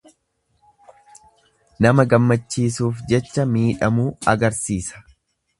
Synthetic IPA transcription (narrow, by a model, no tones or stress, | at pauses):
nɐmɐɡɐmːɐt͡ʃːiːsuːfd͡ʒɛt͡ʃːɐmiːᶑɐmuːɐɡɐɾsiːsɐ̥